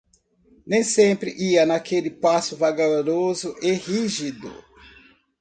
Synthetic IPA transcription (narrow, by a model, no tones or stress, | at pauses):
nẽj̃sẽmpɾɪ̰ʔiɐnakelɪpasʊvaɡaɾozʊʔehiʒid̪ʊ̰